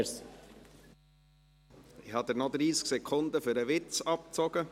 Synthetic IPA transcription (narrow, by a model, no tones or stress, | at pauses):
s | ɪhɑd̪əɾnɔd̪ɾiːsksɛkʰʊnd̪əfʏɾəʋɪt͡sɑpt͡sɔɡ̥ə